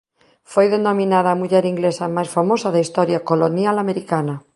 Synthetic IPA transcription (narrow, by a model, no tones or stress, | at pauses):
fojðenomĩnaðaːmuʎeɾiŋɡlesamajsfamosaðaist̪oɾjakolonjalameɾikana